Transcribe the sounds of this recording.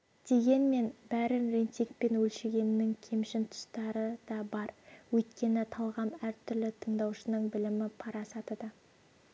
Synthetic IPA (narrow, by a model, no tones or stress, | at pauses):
d̪̥e̞ɡʲe̞nme̞nbæɾɪnɾent̪ijk̚pe̞nwɵlʃeɡʲe̞nɪnɪŋkʲʰe̞mʃɪnt̪ʰʊ̥st̪ɑɾəd̪̥ɑbɑɾwɵjt̪kʲe̞nɪt̪ʰɑlˠʁɑmæɾt̪ʰʏɾlɪt̪ʰəɴd̪ɑwʃənəɴbɪlɪmɪpʰɑɾɑsɑt̪əd̪ə